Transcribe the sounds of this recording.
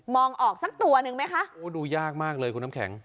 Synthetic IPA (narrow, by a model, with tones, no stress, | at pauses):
mɔː˧ŋʔɔː˨˩k̚sa˦˥k̚t̪u˧ɐnɯ˧ŋma˦˥jkʰa˦˥ʔʔoː˦˥duː˧jaː˥˩k̚maː˥˩k̚lɤː˧ku˧na˥kʰɛ̰˩˦ŋ